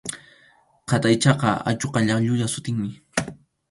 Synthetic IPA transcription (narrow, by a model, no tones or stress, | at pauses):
qat̪ajt͡ʃɑqɑa̰t͡ʃoqɑʎɑχʎʊjasʊt̪ɪŋmɪ